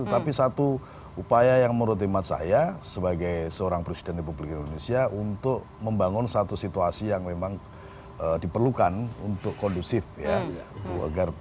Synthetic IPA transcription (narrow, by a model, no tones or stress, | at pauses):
ut̪apisat̪u | upajajaŋməɾut̪̬imat̪̚sa̰jasəbaɡajsəoɾaŋpɾesi̥dɛnrepublikindonesiaʔunt̪ʊk̚ | məmbaŋʊnsat̪usit̪uasijaŋmemaŋ | ədipərlukanṵnt̪ʊkkɔndusɪfjaa̰ɡar